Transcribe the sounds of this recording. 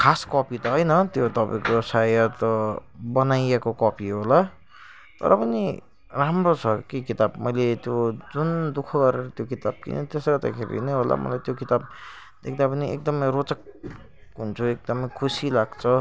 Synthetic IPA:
kʰaskʌpit̪ʌɦʌjnʌt̪jot̪ʌpa̰ĩkosajʌt̪ʌbʌnajekokʌpiɦola | t̪ʌ̰ɾʌpʌni | ramrot͡sʰʌkikit̪abmʌjlet̪jod͡zund̪ukʰʌɡʌɾeɾʌt̪jokit̪ab̚kḭn̰t̪esɾʌt̪a̰kʰeɾḭnʌjɦolʔa̰mʌ̰lajt̪jokit̪ab̚ | d̪ekʰd̪apʌniʔek̚d̪ʌmʌjɾot͡sʌk̚ | ɦunt͡sʰuek̚d̪ʌmʌjkʰusilaɡt͡sʰʌ

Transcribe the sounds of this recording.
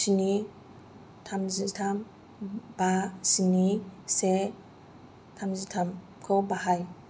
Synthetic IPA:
sini | tʰamzitʰam | basinise | tʰamzitʰam | kʰɔbahaj

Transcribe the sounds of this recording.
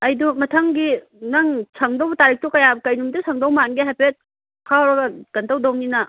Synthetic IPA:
ɐjdumɐtʰɐŋɡi | nɐŋsʰɐŋdowtaɾik̚tukɐjabkɐjnumdusʰɐŋdawmanɡiɦajpet̚ | kʰaɾɐɡɐɡ̥ɐntawdawninɐ

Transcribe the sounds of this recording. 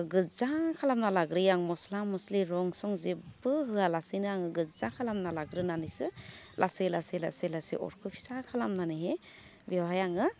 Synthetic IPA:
ɡɯzakʰalamnalaɡɾɯjaŋmɔslamɔsliɾɔŋsɔŋzibɯɦɯalasijnɯaŋɯɡɯzakʰalamnalaɡɾɯnanɯjsɯlʔaselasela̰selasḛʔɔ̰ɾkʰɯpʰi̥sakʰalamnanɯɦe | bewɦajaŋɯ

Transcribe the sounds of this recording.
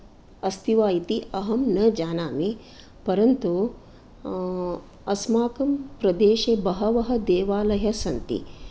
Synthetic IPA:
ɐst̪ʰiʋaːjit̪iʔɐɦɐmnɐd͡ʒaːnaːme | pɐɾɐnt̪u | ɐsmaːkɐmpɾɐd̪eːʃebɐɦɐʋɐɦɐ̆d̪eːʋaːlɐɦɐsɐnt̪ḭ

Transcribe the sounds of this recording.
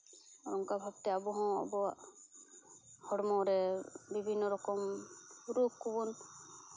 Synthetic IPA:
ɔɾɔŋkabʱabt̪eabuɦɔ̃ɔ̰bɔa | hɔɽmɔwɾɛbibʱinːɔɾɔkɔmɾukʰːubun

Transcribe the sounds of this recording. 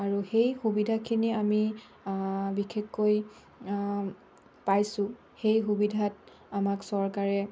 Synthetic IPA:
aɹuxejxubidʱakʰiniami | bikʰekːoj | pajsʊ̃ | xejxubidʱat | amaksɔɹkaɹɛ

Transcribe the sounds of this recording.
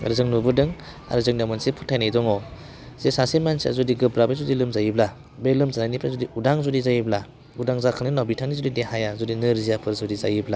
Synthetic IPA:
ɾɯzɯŋnubɯdɯŋ | a̰ɾɯzɯŋnamɯnsipʰu̥tʰːajnajdɔŋɔ | zesasimansia̰zɔdiɡɯb̚ɾabezɔdilɯmzajibla | belɯmzanajnipʰɾazɔdiudaŋzɔdizajibla | udaŋzakʰɯnɯnawbitʰaŋnizɔdidehajazɔdinɯɾzijapʰɯɾzɔdizajibla

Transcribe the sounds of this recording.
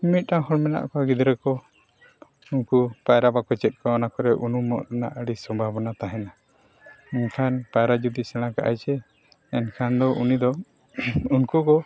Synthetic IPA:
mit̪̚ˀtahɔɽmɛna̰ʔkɔɡid̪ɾɛkɔ | unkupajɾabakɔt͡ʃɛt̪̚kɔɔnakɔɾɛʔunumɔʔɾana̰ʔəɽisɔmbʱabɔnat̪aɦɛna | ɛnkʰanpajɾad͡ʒud̪isɛɽ̃ãka̰ʔa̰jt͡ʃɛ | ɛnkʰand̪ɔʔunid̪ɔ | unkukɔ

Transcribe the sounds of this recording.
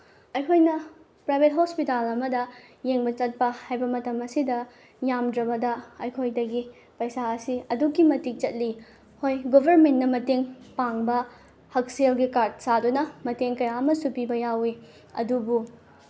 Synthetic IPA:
ɐjkʰojnɐ | pɾajbʱet̚ɦospitalɐmɐdɐjeŋbɐt͡ʃɐt̚pɐhajbɐmɐtɐmɐsidɐ | jamdɾɐbɐdɐɐjkʰojdɐɡi | pɐjsaɐsiɐdukːimɐtik̚t͡ʃɐt̚li | hojɡobʱɐɾmentːnɐmɐteŋpaŋbɐ | hɐk̚selɡikaɾd̚sadunɐmɐteŋkɐjaɐmɐsupibɐjawi | ɐ̰dubu

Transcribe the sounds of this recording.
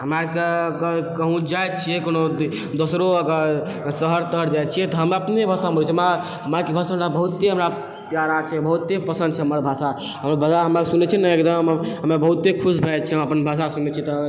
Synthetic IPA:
ɦəmaɾkekkəɦũd͡ʒajt̪̚t͡ʃʰiɛkono | d̪osɾoəɡəɾ | səɦəɾt̪əɾd͡ʒajt̪̚t͡ʃʰijɛt̪ɔɦəməpnebʱasamult͡ʃʰɛɦəma | ɦəmaɾkebʱasaɦəmɾabəɦut̪ːeɦəmɾa | pjaɾat͡ʃʰɛbəɦut̪ːepəsə̃nd̪̚t͡ʃʰɛɦəməɾbʱasa | ɦəmɾbʱasaɦəmaksunɛt͡ʃʰɛnəekd̪əmɦəmebəɦut̪ːekʰusbʱɛt̪̚t͡ʃʰɛməpənbʱas̬asunɛt͡ʃʰit̪ɔ

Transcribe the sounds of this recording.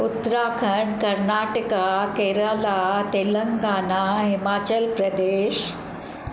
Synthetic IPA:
ut̪ɾaːkʰəɳkɐɾnaːʈəkakeɾaːlat̪eləŋɡaːnaɦɪmaːt͡ɕəlpɾɐd̪eːʃ

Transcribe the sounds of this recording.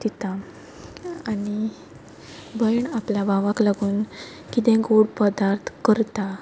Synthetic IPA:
d̪it̪a | ani | bəjɳapljabʱaʋaklaɡuːn | kit̪ɛ̃ɡoɽpəd̪aɾt̪ʰkəɾt̪a

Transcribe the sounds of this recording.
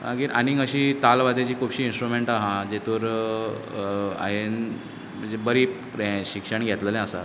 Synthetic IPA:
ã̰ɡiːɾʔaniəɕiːt̪alʋad̪ʱet͡ɕiːkʰubɕiːnsʈɾumeɳʈaɦãd͡ʑet̪uːɾ | a̰ɦen | m̤əɳd͡zebəɾiːpɾeɕikʂəɳɡʱet̪ləlɛ̃əsa̰

